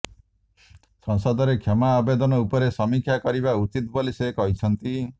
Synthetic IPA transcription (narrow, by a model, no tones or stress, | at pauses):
sɔŋsɔd̪ɔɾekʰjemaːbed̪ɔnɔupɔɾesɔmikʰjakɔɾibaut͡ʃit̪bolisekɔɦit͡ʃʰɔnt̪i